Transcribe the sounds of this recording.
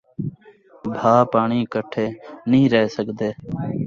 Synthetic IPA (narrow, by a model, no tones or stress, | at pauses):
bʱaːpaːɳiːkəʈʰeːnĩːɾəɦeːsəɠd̪eː